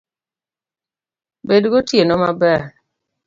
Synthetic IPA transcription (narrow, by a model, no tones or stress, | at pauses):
bedɡotjenɔmabɛ